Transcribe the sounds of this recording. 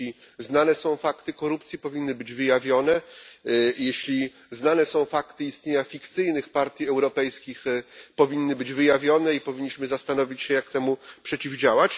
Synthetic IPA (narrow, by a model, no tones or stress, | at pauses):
i | znanɛsɔ̃w̃fakt̪ɘkɔɾupt̪sʲjipɔvʲinːɘbɘd͡ʑvɘjavʲjɔnɛ | jeɕlʲi | znanɛsɔ̃w̃fakt̪ɘist̪ɲeɲafʲikt̪sɘjnɘxpaɾt̪ʲjiɛwɾɔpɛjskʲixpɔvʲinːɘbɘd͡ʑvɘjavʲjɔnɛipɔvʲiɲːiɕmɘzast̪anɔvʲit͡ɕɕɛjakt̪ɛmupʂɛt͡ɕivd͡ʑawat͡ɕ